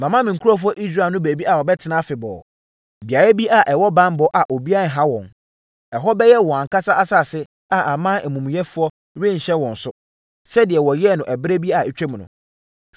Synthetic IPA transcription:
mã˨mã˦mɪ̃˨kʰu˦ɔ˦f̬ʊ˦ɔ˦ʔi˦sɾaː˦˨nʊ̃˦bæ˨bi˦a˨wɔ˨bɛ˦tʰɪ˨nã˦fɪ˨bɔ̰ː˨ | bi˨a˨ɾa˦bi˦a˨ʔɛ˨wɔ˦bã˦mbɔ˨ʔa˨ʔo˨bi˦a˦˨ɦa˦wɔ̃˨n | ɛ˨ɦɔ˦bɛ˦jɛ˦wɔ̃˨a˨ŋ˨ka˦sa˦ʔa˦sa˦˨sɪ˦ | a˨ʔa˨mã˦ɛ˨mũ˨m̃˨jɛ˦fʊ˦ɔ˦ | ɾẽ˦˨ɲ̩˨ɕɛ˦wɔ̃˨n̩˨sʊ˦ | sɛ˦dɪ˨ɛ˨wɔ˨jɛ˦˨nʊ̃˨ʔɛ˨bɪ˦ɾɛ˦bi˦˨a˨ɛ˨t͡ɕᶣɛ˦m˨nʊ̰̃˨

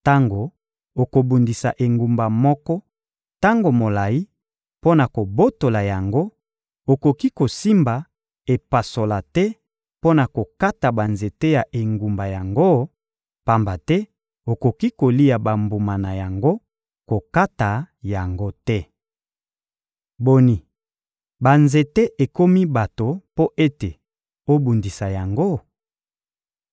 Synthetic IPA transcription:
ta˦ŋɡo˨ | o˨ko˨bu˨ndi˨sa̰˨ʔe˨ŋɡu˨mba˨mɔ˦kɔ˦ | ta˦ŋɡo˨mo˨la˨ji˦ | po˦na˨ko˨bo˦to˨la˨ja˨ŋɡo˦ | o˨ko˨ki˦ko˨si˦mba˨ | e˨pa˨so˨la˨tɛ˦ | po˦na˨ko˨ka˦ta˨ba˨nze˨te˦ja˨ʔe˨ŋɡu˨mba˨ja˨ŋɡo˦ | pa˨mba˨tɛ˦ | o˨ko˨ki˦ko˨li˦ja˨ba˨mbu˨ma˨na˨ja˨ŋɡo˦ | ko˨ka˦ta˨ | ja˨ŋɡo˦tɛ˦ | bo˨ni˨ | ba˨nze˨te˦ʔe˨ko˦mi˦ba˨to˨po˦ʔe˦te˨ | o˦bu˨ndi˨sa˨ja˨ŋɡo˦

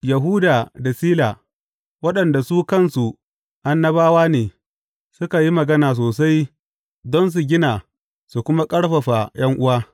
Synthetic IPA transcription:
ja˨ɦuː˦daː˨da˨siː˦laː˨ | wɐ˦ɗɐ˨nda˨suː˦kɐ˦nsu˨ | ʔa˦nːɐ˦baː˦waː˦neː˨ | sʊ˦ka˨ji˦mɐ˨ɡɐ˦naː˨s̬oː˨sa˦j | dɔ˦ns̬u˨ɡʲɪ˦naː˨ | su˨kʷʊ˦ma˦kʼɐ˦ɽɸɐ˨ɸa˨jɐ˦ŋʔʊ˦waː˦

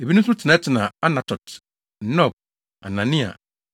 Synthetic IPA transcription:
e˨bi˦nũ˦stʰɪ˨nã˨˦tʰɪ˨nã˨a˦nã˨tʰɔ˨t | n̩˨˦nɔ˦˨b̚ | a˨nã˨nĩ˦a̰˨

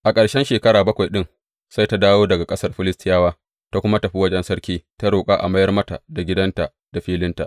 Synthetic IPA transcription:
ʔa˨kʼɐ˨ɽʃɛ˦nʃeː˨kɐ˦ɽaː˨bɐ˦kʷa˨jɗɪ˦ŋ | sa˦jta˦daː˦woː˦dɐ˨ɡa˨kʼɐ˦sɐ˦rɸɪ˦lɪ˦stɪ˦jaː˦waː˦ | ta˦kʷʊ˦ma˦tɐ˨ɸi˦wɐ˦d͡ʒɛ˦nsɐ˦rkʲiː˦ta˦ɽoː˨kʼaː˦ʔa̰˨mɐ˦jɐ˦rmɐ˦ta̰˨da˨ɡʲɪ˦dɐ˦nta˨ | d̥a˨ɸiː˦lɪ˦nta̰˨ʔ

